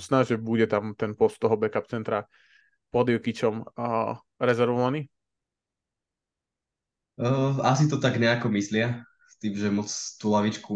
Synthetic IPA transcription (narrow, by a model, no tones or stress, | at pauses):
t͡snaːʒɛbuɟɛt̪amt̪ɛnpɔst̪ːɔɦɔbɛkap̚t͡sɛnt̪ɾa | pɔd̪ikit͡ʃɔm | ɾɛzɛɾʋɔʋaniː | asit̪̬ɔt̪aɡɲɛakɔmislɪa | st̪iːmʒɛmɔt͡st̪ulaʋit͡ʃku